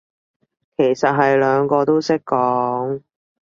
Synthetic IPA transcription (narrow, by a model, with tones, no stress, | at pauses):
kʰe˨˩jsɐ˨t̚ɦɐ˨jlœː˨˧ŋkɔː˧t̪o˥wsɪ˥kːɔː˨˥ŋ